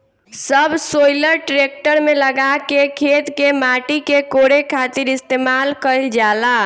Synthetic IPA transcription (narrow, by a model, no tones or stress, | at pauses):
səbʱsojləɾʈɾek̚ʈəɾmeləɡakekʰet̪kemaʈikekoɾekʰat̪iɾist̪emalkəld͡ʒala